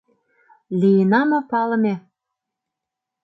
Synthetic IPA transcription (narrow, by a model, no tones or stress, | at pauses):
lijenɑmɤ̆pɑlɤ̆me